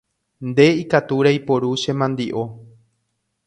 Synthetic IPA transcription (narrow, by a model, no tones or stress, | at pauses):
nd̪e̞ikat̪uɾajpo̞ɾuʃẽ̞mãnd̪iʔo̞